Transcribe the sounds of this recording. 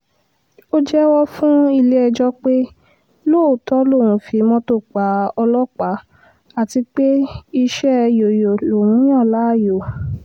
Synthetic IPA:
o˦d͡ʒɛ˦wɔ˦fũ˦i˧˨le˦ɛ˧d͡ʒɔ˦k͡pe˦ | lo˦˨tɔ˦lo˦˨w̃ũ˨˦fi˨˦mɔ̃˦to˦˨k͡pa˨˦ɔ˧lɔ˦k͡pa˨˦ | a˦˨ti˧k͡pe˦i˧ʃɛ˦˧jo˨jo˨lo˨wũ˨˦j̃ã˦˨la˨˦˨jo˨

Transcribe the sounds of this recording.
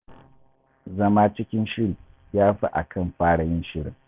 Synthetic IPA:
zɐ˦maː˦t͡ʃɪ˦kʲɪ˦nʃɪ˦ɽiː˨ | jaː˦ɸa̰˦ʔa̰˨kʰɐ˦˨mɸaː˦ɽa˨jɪ˦nʃɪ˦ɽɪ˨ŋ

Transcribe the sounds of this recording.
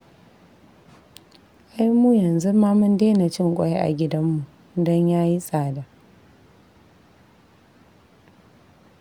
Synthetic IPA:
ʔa˦jmu˦jɐ˨nzu˦maː˦mʊ˦ndeː˦na˨t͡ʃɪ˦ŋkʷʼɔ˦je˦ʔa̰˨ɡʲɪ˦dɐ˦mːu˨ | dɔ˦ɲjaː˦ji˦sʼaː˨da˨ʔ

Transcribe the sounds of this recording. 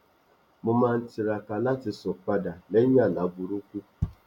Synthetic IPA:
mʊ˨ma˨n̩˨tɪ˨ɾa˨ka˨la˦tɪ˨sɔ˨k͡pa˦da˨le˦ɲa˦˨la˨˦bu˨ɾu˦kʷu˦

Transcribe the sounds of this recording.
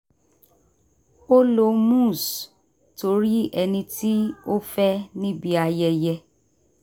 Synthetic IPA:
o˦lo˧mũ˦˨s | to˨˧˦ɾi˦ɛ˧nĩ˧ti˦o˦fɛ˦nĩ˦bi˧a˧jɛ˧jɛ˧

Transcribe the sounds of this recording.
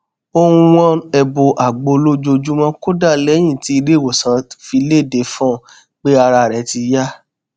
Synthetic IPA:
o˧ũ˧wɔ̃˦ɛ˧bo˧ʔa˨ɡ͡bo˧lo˦d͡ʒo˧d͡ʒu˦mɔ̃˦ko˦da˦˨lɛ˨˦j̃ĩ˦˨ti˨˦i˧ɾe˦˨wo˨sã˨˦fi˧le˦˨de˨˦fɔ̃˦˨ | k͡pe˦a˧ɾa˧˨ɾɛ˨˦ti˧ja˦

